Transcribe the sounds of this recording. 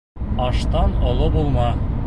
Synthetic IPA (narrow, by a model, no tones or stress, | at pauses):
ɑʃt̪ɑnŏlˠobulˠmɑ